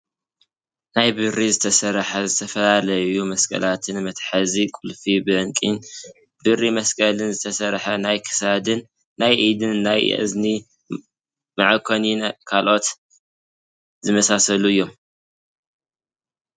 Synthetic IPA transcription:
najbɨɾizɨt̪ʰɐsɐɾħɐzɨt̪ʰɐfɐlalɐjumɐskʼɐ̰lat̪ʰɨnmɐt̪ħazikʼulfibɨɨŋkʼin | b̥ɨrimɐskʼɐlɨnzɨt̪ʰɐsɐɾħɐnajkʰɨ̥sad̪ɨnː | ajʔid̪ɨnːajɨ̰zni | maʕakʰoninkʰalʔo̞t̪ | zɨmɐsasɐluɨjːo̞m

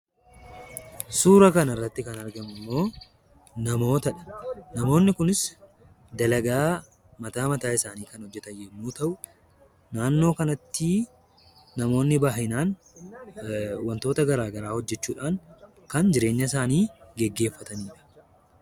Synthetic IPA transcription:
suːɾɐkɐnɐrːɐt̪ːɪkɐnɐɾɡɐmɪmːo̞ː | nɐmo̞ːt̪ɐᶑɐ̥nɐmo̞ːnːɪkʊnɪs | d̪ɐlɐɡaː | mɐt̪aːmɐt̪aːɪsaːniːkɐnhɔd͡ʒːɛt̪ɐjɛmːuːt̪ɐʔʊ | naːnːo̞ːkɐnɐt̪ːi | nɐmo̞ːnːɪbaːɦɪnaːn | wɐnt̪o̞ːt̪ɐɡɐɾaːɡɐɾaːhɔd͡ʒːɛt͡ʃːuːᶑaːŋ | kɐnd͡ʒɪɾe̞ːɲːɐɪs̬aːniːɡɛɡːe̞ːfːɐt̪ɐniːᶑɐ̥

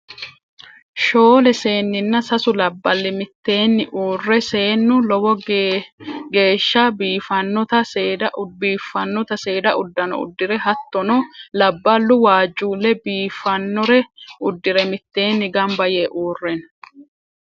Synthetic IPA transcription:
ʃoːlɛse̞ːnːɪnːɐsɐsʊlɐbːɐlːɪmɪt̪ːe̞ːnːɪʔuːrːɛse̞ːnːʊlɔwɔ | ɡe̞ːʃːabiːfɐnːɔt̪ɐseːd̪ɐbiːfːɐnːɔt̪ɐse̞ːd̪ɐʔʊd̪ːɐnɔ̰ʊ̰d̪ːɪɾɛɦɐt̪ːɔnɔlɐbːɐlːʊwaːd͡ʒʼːuːlːɛbiːfɐnːɔɾɛʊd̪ːɪɾɛmɪt̪ːe̞ːnːɪɡɐmbɐjeːʔuːrːɛn

